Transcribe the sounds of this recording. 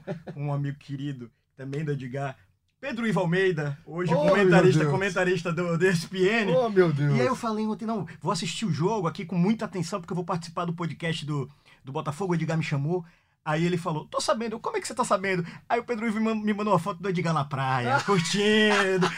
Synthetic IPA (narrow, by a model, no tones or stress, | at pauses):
kõũamiɡʊkɪɾid̪ʊ | t̪ɐ̃bẽj̃d̪od͡ʒiɡa | ped̪ɾʊivawmejd̪ɐoʒɪkomẽt̪aɾiʃt̪ɐkõmẽnt̪aɾiʃt̪ɐd̪ʊd̪ɛspeẽnɪmewd̪ewiaiewfalejnõt̪ẽnɐ̃w̃voasiʃt͡ʃiʊʒoɡʊakikõmũj̃t̪ɐat̪ẽsɐ̃po̥ɾkewvowpaɾt͡ʃɪ̥isi̥paɾd̪ʊpod͡ʒikɛʃt͡ʃɪd̪ʊ | d̪ʊbɔt̪afoɡʊed͡ʒɪɡamɪʃɐ̃mo | aielɪfalot̪osabẽnd̪ʊkõmʊɛkɪ̥set̪asabẽnd̪ʊaiʊped̪ɾʊivmmɪmɐ̃nd̪oafɔt̪ʊd̪od͡ʒiɡanapɾajɐkuɾt͡ʃĩd̪ʊ